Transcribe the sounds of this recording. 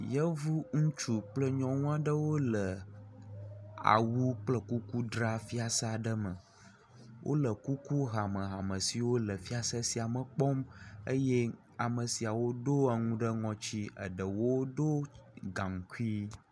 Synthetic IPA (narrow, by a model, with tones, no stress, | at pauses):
jə˦vu˦ŋũ˦t͡ʃu˨k͡plə˦ɲɔ̃˦ŋũ˦a˦ɖə˦wo˦lə˨ | a̰˨wu˦k͡plə˦ku˦ku˦ɖɾa˦fi˦a˨sa˦ɖə˦mə̃˨ | wʔo̰˦lə˨ku˦ku˦ɦa˨mə̃˨ɦa˨mə˨si˨wo˦lə˨fi˦a˦sə˦si˨a˨mə˨k͡pɔ˦mə˦je˦ | a˨mə˨si˨a˨wo˦do˦a˨ŋũ˦ɖə˦ŋɔ̃˨t͡ɕi˦ə̰˨ɖə˨wo˦ɖo˦ɡã˨ŋ˨ku˦i˦